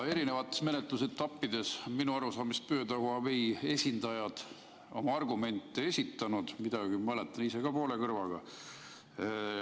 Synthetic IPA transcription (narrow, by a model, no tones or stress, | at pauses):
e̞ɾine̞vɑt̪ːˑe̞sme̞net̪ˑluse̞t̪ːɑpːid̪e̞sonminuɑɾusɑːmist̪̚pø̞ːt̪ɑwɑveje̞sʲind̪̥ɑjɑd̪̥ | o̞̰mɑɑrɡume̞nt̪ˑːee̞sʲit̪ːˑɑnud̪̥mid̪̥ɑɡ̥imɤlet̪ːˑɑnise̞ɡ̥ɑpo̞ːle̞kɤrvɑɡ̥ɑ̰